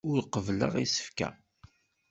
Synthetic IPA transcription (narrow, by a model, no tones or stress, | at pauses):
ʊɾqəvlə̰ʁisə̥fkæ̰